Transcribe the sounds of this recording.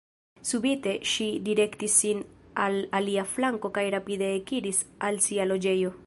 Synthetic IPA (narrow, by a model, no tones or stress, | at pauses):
subite̞ʃidiɾe̞ktisːinalaliaflaŋko̞kajɾapide̞ːkiɾisalsialo̞d͡ʒe̞jo̞